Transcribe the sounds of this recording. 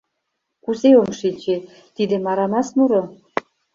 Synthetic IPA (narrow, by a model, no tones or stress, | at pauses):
kuzeomʃinʲt͡ɕe | t̪id̪ĕmɑɾɑmɑsnuɾŏ